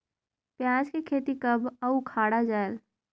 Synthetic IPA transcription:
pjãːd͡ʒkekʰeːt̪ikəbəukʰaːɽad͡ʒaːel

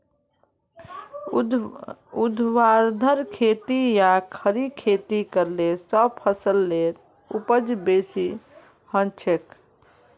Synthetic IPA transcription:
ud̪ʱwaɾd̪ʱəɾkʰet̪ijakʰəɾikʰet̪ikəɾlesəb̚pʰəsəlːeɾ | upəd͡ʒbesi | hə̃nt͡ʃʰek

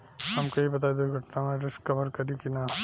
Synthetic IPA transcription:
ɦamkeɦibɐt̪̬ajd̪uɡʱəʈnamẽɾɪskːəbəɾkəɾikina

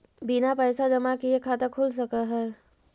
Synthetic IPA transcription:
binapəːsad͡ʒɐmakiekʰaːt̪akʰuls̬ɐkəɦəɾ

